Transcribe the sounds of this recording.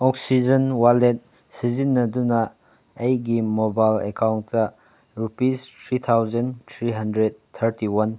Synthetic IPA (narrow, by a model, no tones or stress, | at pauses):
ɔk̚sid͡ʒɐnwalet̚ | sizinːɐdunɐː | jɡimobajlekawntːɐ | ɾupistʰɾit̪ʰawzɐnt̪ʰɾiɦɐndɾed̚tʰːɐɾtiwɐn